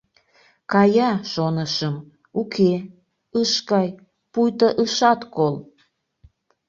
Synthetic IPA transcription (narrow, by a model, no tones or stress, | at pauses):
kɑjɑʃonəʃəm | ukʰe | əʃkɑj | pujt̪əʔəʃɑt̪kol